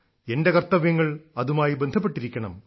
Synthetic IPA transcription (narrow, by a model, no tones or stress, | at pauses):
endekɐrt̪ːɐʋjɐŋːɐɭɐðumaːjibend̪ʱɐp̬ːeʈːiɾikʲːɐɳɐ̰m